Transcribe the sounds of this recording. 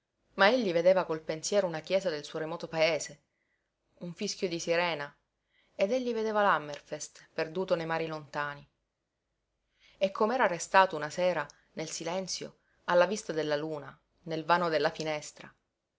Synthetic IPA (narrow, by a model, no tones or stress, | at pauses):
maeʎːived̪eːvakolpensjɛːɾounakjɛːzad̪elsuːoɾemɔːt̪opaeːse | uɱfiskjod̪isiɾɛːna | ed̪eʎːived̪eːvalamːerfest̪perd̪uːt̪onejmaːɾilont̪aːni | ekːomeɛːɾarːest̪aːt̪ounasɛːɾa | nelsilɛnt̪sjo̰ | alːavist̪ad̪elːaluːna | nelvaːnod̪elːafinɛst̪ɾa̰